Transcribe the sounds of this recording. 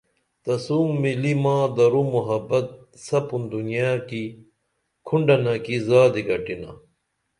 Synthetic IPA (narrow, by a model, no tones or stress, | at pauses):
t̪ɐsuːmːilimãːd̪ɐɾumuɦɐbɐt̪̚ | sɐpund̪unijaːki | kʰuɳɖɐnɐkizaːd̪iɡɐʈina̰